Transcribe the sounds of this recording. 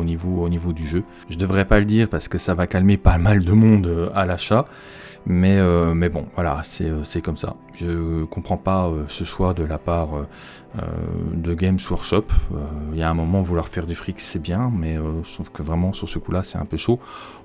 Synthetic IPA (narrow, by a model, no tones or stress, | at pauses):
onivoonivod̪yʒø | ʒəd̪əvʁɛpaləd̪iːʁpaʁsə̥kəsavakalmepamald̪əmɔ̃d̪øalaʃa | mɛømɛbɔ̰̃vwala̰sɛøsɛkɔmsa̰ | ʒəkɔ̃pχɑ̃paøsəʃwad̪əlapaʁø | ø̰d̪əɡʲɛmswaʁʃɔpøiljaɛ̃mɔmɑ̃vulwaʁfɛʁd̪yfχiksɛbjɛ̃mɛøʒəsuvkəvʁɛmɑ̃syʁsəkulasɛt̪ɛ̰̃pøʃo